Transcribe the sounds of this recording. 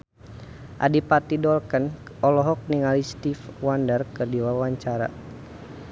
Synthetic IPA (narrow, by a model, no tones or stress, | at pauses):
ʔa̰dipat̪idɔlkən | ɔlɔɦɔk̚niŋalist̪ifwandərkɨrdiwawaɲt͡ʃaɾa̰